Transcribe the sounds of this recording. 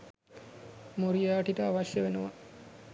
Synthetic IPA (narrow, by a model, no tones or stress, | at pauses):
moɾijaːʈiʈəaʋaʃjəʋenəʋa